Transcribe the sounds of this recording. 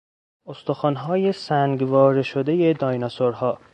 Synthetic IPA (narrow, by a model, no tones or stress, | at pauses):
ost̪oxɒːnɦɒːje̞sæŋɡvɒːɾeʃod̪e̞je̞d̪ɒːjnɑsoɾhɒː